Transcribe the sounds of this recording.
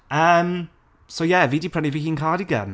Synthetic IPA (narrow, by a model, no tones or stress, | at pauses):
əːm | sojɛviːdipʰɹ̥ɛniviːhiːnkʰaːɾiɡə̰n